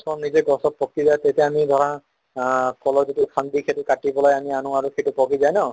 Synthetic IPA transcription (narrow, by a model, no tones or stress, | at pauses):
sʰɔɔmnizeɡɔsɔp̚pːɔkizajt̪et̪eamid̪ʱɔɹa | kɔlɔzitukʰand̪ikʰetukaʈibɔlɔjamianũaɹukʰetupɔkizajnɔ